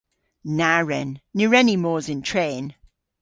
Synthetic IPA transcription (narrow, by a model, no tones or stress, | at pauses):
naɹɛnːəɹɛnimɔːzɪ̃ntʰɹ̥eːn